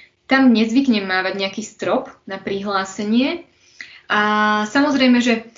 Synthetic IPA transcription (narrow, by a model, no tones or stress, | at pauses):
t̪amɲɛzʋikɲɛmːaːʋaɟɲɛakiːst̪ɾɔpnapɾiɦlaːsɛɲɪɛ | ʔasamɔzɾɛjmɛʒɛ